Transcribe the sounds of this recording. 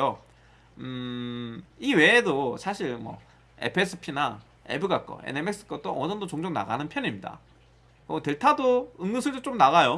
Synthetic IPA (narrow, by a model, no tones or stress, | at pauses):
o | ɯ | iwe̞ːdosʰaɕʰiɭmwʌ̰ | ḛpʰɯes͈ʰɯ̥pʰina | e̞̰bɯɡak͈ʌ̰ḛnemek̚s͈ʰɯ̥k͈ʌt͈oʔʌʌndot͡ɕoŋd͡ʑoŋna̰ɡanɯnpʰjʌɲimɲida̰ | kɯtwe̞ɭtʰadoɯŋːɯsʰɯɭdot͡ɕ͈omnaɣajo